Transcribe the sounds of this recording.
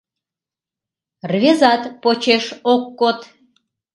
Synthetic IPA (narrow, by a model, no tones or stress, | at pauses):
rvezɑt̪pot͡ɕeʃokːot̪